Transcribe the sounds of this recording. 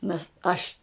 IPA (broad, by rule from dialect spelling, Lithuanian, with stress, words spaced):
nʲɛs ˈɐʃ